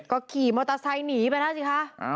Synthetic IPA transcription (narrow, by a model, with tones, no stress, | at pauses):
kɔ˧˦kiː˨˩˦mɔ˧t̪a˧sa˧jniː˨˦ba˧˩nha˦˥˩si˧˩xa˧˥˧